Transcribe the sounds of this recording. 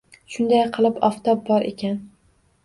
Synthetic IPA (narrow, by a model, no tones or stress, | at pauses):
ʃʊnd̪ajqʰɨlˠɪpɒft̪ʰɒp̚bɒɾʔḛkʲʰan